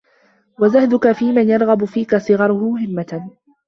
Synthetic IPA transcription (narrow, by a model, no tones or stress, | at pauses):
wazahd̪ʊkafiːmanjɑɾˤɣɑbʊfiːkasˤɨɣɑɾˤʊhʊmʊɦɪmːa